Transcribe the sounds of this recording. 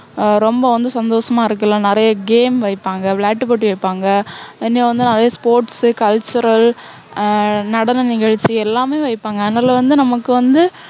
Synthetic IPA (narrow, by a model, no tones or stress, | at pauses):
ɾɔmbɐʋɐnd̪ɯsɐnd̪oːsɐmaːɪɾɯk̬ːɐlãnɪɾɐjɐɡeːmʋɐɪpːaːŋɡɐflaːʈːɯpoʈːiʋɐɪpːaːŋɡɐɪnːeʋɐnd̪ɯnɪɾɐjɐspoːɾʈskɐlt͡ʃːʊɾɐl | nɐɽɐnɐnɪɣɐɻt͡ʃːiɛlːaːmeːʋɐɪpːaːŋɡɐːðnaːlɐʋɐnd̪ɯnɐmɐkːɯʋɐnd̪ɯ